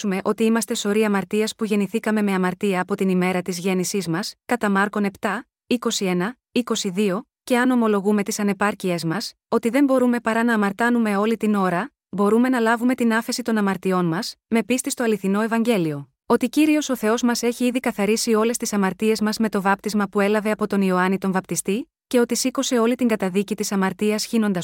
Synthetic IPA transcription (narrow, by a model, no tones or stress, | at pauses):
ume̞ʔo̞t̪iimɐst̪e̞so̞ɾiɐmɐɾt̪iɐspuʝe̞niθikɐme̞me̞ɐmɐɾt̪iɐːpo̞t̪inime̞ɾɐt̪izʝe̞nisizmɐskɐt̪ɐmɐɾko̞ne̞pt̪ɐ | iko̞sie̞nɐ | iko̞siðio̞ | ce̞ɐno̞mo̞lo̞ɣume̞t̪isɐne̞pɐɾciezmɐs | o̞t̪iðe̞mbo̞ɾume̞pɐɾɐnɐːmɐɾt̪ɐnume̞o̞lit̪ino̞ɾɐ | bo̞ɾume̞nɐlɐvume̞t̪inɐfe̞sit̪o̞nɐmɐɾt̪io̞nmɐsme̞pist̪ist̪o̞ɐliθino̞e̞vɐɲɟe̞lio̞ | o̞t̪iciɾio̞so̞θe̞o̞zmɐse̞çiiðikɐθɐɾisio̞le̞st̪isɐmɐɾt̪ie̞zmɐzme̞t̪o̞vɐp̚t̪izmɐpue̞lɐve̞ɐpo̞t̪o̞nio̞ɐnit̪o̞ɱvɐp̚t̪ist̪i | ce̞o̞t̪isiko̞se̞o̞lit̪iŋɡɐt̪ɐðicit̪isɐmɐɾt̪iɐsçino̞nd̪ɐ